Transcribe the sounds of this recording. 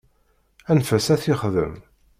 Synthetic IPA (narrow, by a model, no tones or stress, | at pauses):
ænfæsæθiχðə̰m